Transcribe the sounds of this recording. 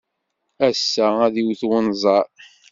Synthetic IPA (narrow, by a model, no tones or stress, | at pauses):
æsːææðiwθwənzˤɑɾ